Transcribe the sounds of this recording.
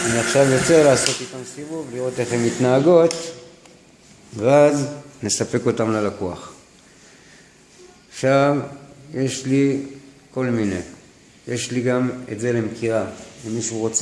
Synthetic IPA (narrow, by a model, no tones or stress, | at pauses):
aniaχʃavjo̞t͡se̞laːso̞t̪itamsivuvliʁo̞te̞χe̞mitnaːɡo̞t̪ | veazne̞sape̞ko̞tamlalakuaχ | aχʃavje̞ʃli | ko̞lmine̞̰ | je̞ʃliɡame̞̰tze̞le̞mkiʁaemiʃuʁo̞t͡s